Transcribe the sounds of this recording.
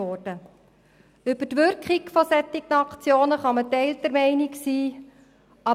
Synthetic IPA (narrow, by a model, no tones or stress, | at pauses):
ɔːrd̥ə | ʏb̥ətʋʏɾkχikfɔsɛt̪ːɪknɑkt͡sjoːnəχɑmətɛɪltɛɾmɛɪniksiː | ɑ